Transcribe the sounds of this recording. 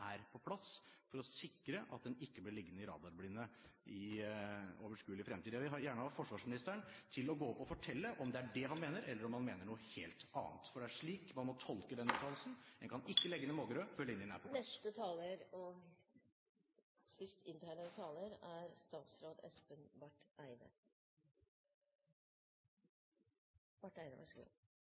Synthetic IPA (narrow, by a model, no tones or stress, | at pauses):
ʔæɾpʰɔpʰlɑsfɔɾɔsɪkːɾəʔɑ̰t̪̚d̪ɛnɪkːəblɪɭɪɡːənɪɾɑ̰ːd̪ɑɾblɪnːəʔɪ | oːʋəʂkʉːlɪfɾɛmt̪iːd̪ʋɪɦɑɾjæːɳəhɑfɔʂʋɑːʂmɪnɪst̪əəɳt̪ʰɪlɔɡoːpʰɔfɔʈʰɛlːəʔɔmd̪ɛæɖɛɦɑnmeːnəɾʔɛlːəɾɔmhɑnmeːnəɳuːəheːlt̪ɑ̰ːnt̪fɔɖɛæʂɭiːkmɑnmɔt̪ʰɔlkəd̪ɛnyːt̪ʰɑːllsn̩ɛnkʰɑnɪkːəlɛɡːənɛmoːɡəɾøːfœlːəɪnːɪnæ̰pʰɔnɛst̪ət̪ʰɑːləɾɔ | sɪst̪ɪnt̪ʰæːɳəət̪ʰɑːləɾæɾst̪ɑːt̪sɾoːd̪ɛ̰spənbæʈæɪnə̰ | bɑʈːæɪnə̰ʋɑ̰ʂɡṵ